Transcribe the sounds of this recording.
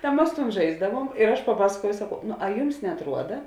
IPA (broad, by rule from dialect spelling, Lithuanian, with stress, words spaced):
tɐ ˈmɐs tuːn ˈʒɐɪzdɐʋuɔm ɪr ˈɐʃ pɐˈpɑːskuɔjɛʊ sɐˈkɐʊ nʊ ɐ ˈjʊms nʲɛɐtˈruɔdɐ